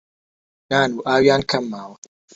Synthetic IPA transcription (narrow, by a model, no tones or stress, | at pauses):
naːnuːʔaːwjaːnkʰɐmːaːwɐ